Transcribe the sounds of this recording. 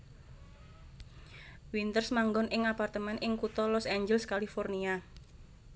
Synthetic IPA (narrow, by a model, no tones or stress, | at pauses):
wint̪ərsmaŋɡɔnʔɪŋapart̪əmɛnʔɪŋkut̪ɔlɔsaɲd͡ʒəlskalifɔrnia